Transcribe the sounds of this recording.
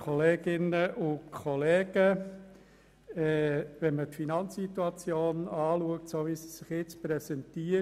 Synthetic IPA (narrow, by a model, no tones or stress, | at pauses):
kʰɔleːɡ̥ɪnəʔʊkʰɔleːɡ̥ə | ɛʋɛnmətfinɑnt͡sːituɑt͡sjoːnɑːluək̚tsoːʋisi̥sɪχjɪt͡sprɛsɛntiə